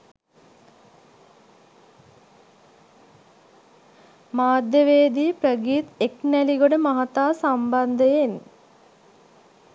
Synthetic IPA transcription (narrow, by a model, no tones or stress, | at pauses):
maːd̪jəʋeːd̪iːprəɡiːt̪eknæliɡoɖəmaɦat̪aːsamband̪əjen